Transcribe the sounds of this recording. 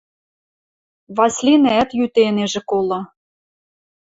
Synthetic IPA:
βɑslʲineæt̪jyt̪eneʒĕkolɑ

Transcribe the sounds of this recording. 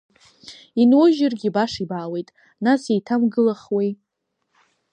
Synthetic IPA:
inwʊʒɪrɡʲibaʂibaːwe̞jtʼ | nasejtʰamɡɨlaχwej

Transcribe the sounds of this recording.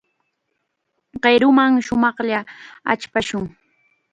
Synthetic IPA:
ɢeɾʊmaŋʃʊmɑχʎaa̰t͡ʃpaʃʊŋ

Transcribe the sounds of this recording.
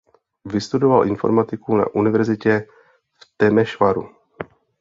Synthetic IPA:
vɪst̪udovalʔɪnfo̞ɾmat̪ɪkuna̰ʔunɪvɛɾzɪcɛ | ft̪ɛmɛʃvaɾṵ

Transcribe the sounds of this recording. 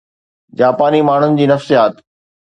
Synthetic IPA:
d͡ʑaːpaːnimaːɳ̤ʊnɪ̆d͡ʑiːnɐfsijaːt̪

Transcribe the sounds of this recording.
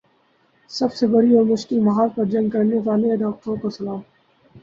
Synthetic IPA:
sɐbsebɐɾiɔːɾmʊʃkɪlmɐɦaːlpɐɾd͡ʒɐ̃ŋɡ̚kɐɾneʋaːleɐd̪aːqt̪õkosɐlaːm

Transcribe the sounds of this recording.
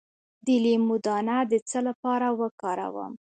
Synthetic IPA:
d̪ɪlimud̪ɑnad̪ət͡səlapɑɾawəkɑɾa̰wə̰m

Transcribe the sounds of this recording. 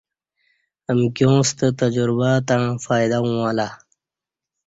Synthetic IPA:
əmkʲjõːst̪ət̪ɐd͡ʑuɾbat̪ãfaːjd̪aũala

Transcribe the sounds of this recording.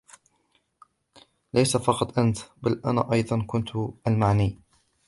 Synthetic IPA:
lʔajsafɑqɑt̪ˤʔant̪balʔa̰na̰ːʔɑjðˤɑnkʊnt̪ʔalmaʕniː

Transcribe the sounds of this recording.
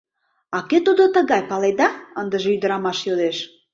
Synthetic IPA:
ɑket̪ud̪ot̪ə̆ɣɑjpɑled̪ɑənd̪əʒeyd̪əɾɑmɑʃjod̪eʃ

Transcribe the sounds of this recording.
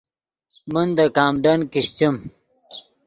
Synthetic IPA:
mund̪ɐkaːmɖɐnkiɕt͡ɕim

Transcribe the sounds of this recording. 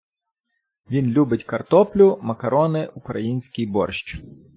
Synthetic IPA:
ʋʲinlʲubɪtʲkɐrt̪ɔplʲʊmɐkɐɾɔnɪʔukɾɐjinʲsʲkʲijbɔ̰rʃt͡ʃ

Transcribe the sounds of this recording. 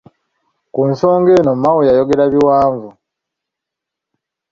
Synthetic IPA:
kunso̞ːŋɡe̞ːnomawujajo̞ɡe̞ɾaβiwaːɱvu

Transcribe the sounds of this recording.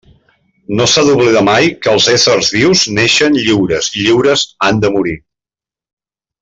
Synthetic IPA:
nosaðuβliðamajkəːlˠzɛsərzβiwzneʃənʎiwɾəziʎiwɾəzand̪əmuɾi

